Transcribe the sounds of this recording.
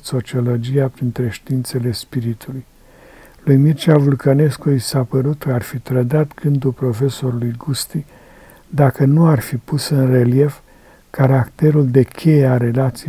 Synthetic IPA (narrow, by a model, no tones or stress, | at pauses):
t̪sot͡ʃio̞lo̞d͡ʒijapɾint̪ɾe̞ʃt̪iint̪se̞le̞spiɾit̪uluj | lujmirt͡ʃavulkəne̞skuisapəɾut̪kəarfit̪ɾəd̪at̪ɡ̥ɨnd̪ulpɾo̞fe̞so̞ɾulujɡust̪i | d̪akənuarfipusɨnre̞lje̞f | kaɾakt̪e̞ɾuld̪e̞kʲʰe̞jeaɾe̞lat̪si